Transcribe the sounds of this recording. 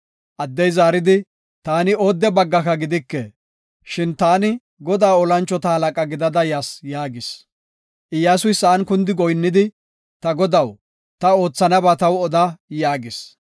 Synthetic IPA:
ʔɐd̪ːɛjzaːɾɪd̪ɪ | t̪aːnɪoːd̪ːɛbɐɡːɐkɐɡɪd̪ɪkːɛ | ʃɪnt̪aːnɪ | ɡɔd̪aːɔlɐnt͡ʃːɔt̪ɐhɐlɐkʼɐɡɪd̪ɐd̪ɐjaːsjaːɡɪs | ʔɪjːaːsʊjsːɐːnkʊnd̪ɪɡɔjnːɪd̪ɪ | t̪ɐɡɔd̪ɐw | t̪ɐo̞ːt͡sːɐnɐbɐt̪ɐwɔd̪ɐjaːɡɪs

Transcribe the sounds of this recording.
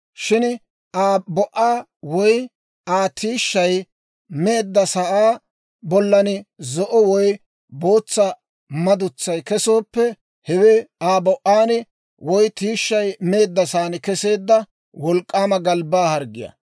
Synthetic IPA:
ʃɪn | ʔaːbɔʔaː | wɔj | aːt̪iːʃːɐj | me̞ːd̪ːɐsɐʔaː | bɔlːɐnɪzɔʔɔwɔj | bo̞ːt͡sːɐ | mɐd̪ʊt͡sːɐjkɛso̞ːpːɛ | hɛweaːbɔʔaːnɪ | wɔjt̪iːʃːɐjme̞ːd̪ːɐsaːnɪkɛse̞ːd̪ːɐ | wɔlkʼːaːmɐɡɐlbaːhɐɾɡɪjɐ̰

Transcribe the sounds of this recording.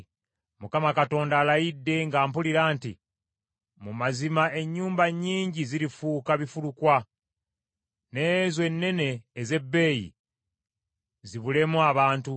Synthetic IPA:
mukamakato̞ːndaːlajidːe̞ŋɡaːmpuliɾaːnti | mumazimaʔe̞ɲːuːmbaɲːiːɲɟiziɾifuːkaβifulukwa | ne̞ːzwe̞nːe̞ne̞ːze̞bːe̞ːjḭ | ziβule̞muaβaːntu

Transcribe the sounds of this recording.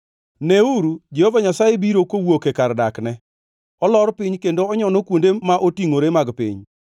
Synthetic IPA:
neuɾud͡ʒehovaɲasajebiɾokowokekaɾdaknɛ | ɔlɔɾpɪɲkendoɔɲɔnokwondemaʔotiŋoɾemaɡpɪ̰ɲ

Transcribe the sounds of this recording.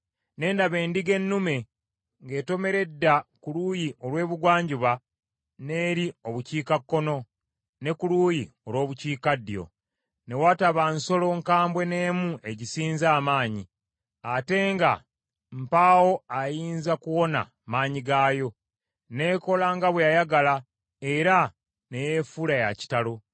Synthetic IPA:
ne̞ːndaβe̞ːndiɡe̞nːume̞ | ŋɡe̞ːto̞me̞ɾe̞dːakuluːjiʔo̞lwe̞ːβuɡwaːɲɟuβa | ne̞ːɾio̞βuciːkakːo̞no̞ | ne̞kuluːji | o̞lwo̞ːβuciːkadːijo̞̰ | ne̞wataβanso̞lo̞ŋkaːmbwe̞ne̞ːmuʔe̞ɟisiːnzaːmaːɲi | ate̞ŋɡa | m̩paːwo̞ajiːnzakuwo̞na̰ | maːɲiɡaːjo̞ | ne̞ːko̞laŋɡaβwejajaɡala | eɾa | ne̞jefuɾajaci̥talo̞

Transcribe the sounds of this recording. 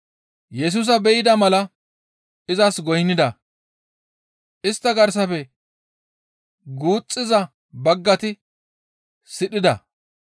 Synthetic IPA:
jɛs̬uːs̬ɐbɛjɪd̪ɐmɐlɐ | ɪzɐsɡɔjnːɪd̪ɐ | ʔɪst̪ːɐɡɐɾs̬ɐfɛ | ɡuːt͡sʼːɪzɐ | bɐɡːɐt̪ɪ | sɪɗɪd̪ɐ̰

